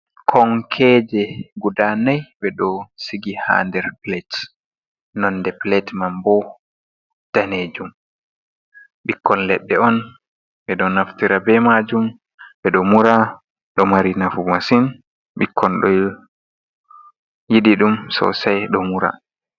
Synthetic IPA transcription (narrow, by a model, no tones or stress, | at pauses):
kʰɔŋkʰɛːd͡ʒɛɡudanajɓɛɗɔsiɡiha̰ːndɛɾplɛt | nɔndɛplɛtmambɔ | d̥aned͡ʒum | ɓikːɔnlɛɗːɛɔn | ɓɛɗɔnaftiɾabɛmad͡ʒum | ɓɛɗɔmuɾa | ɗɔmaɾinafumasin | ɓikʰːɔnɗɔ | jiɗiɗumsɔ̰sajɗɔmuɾa̰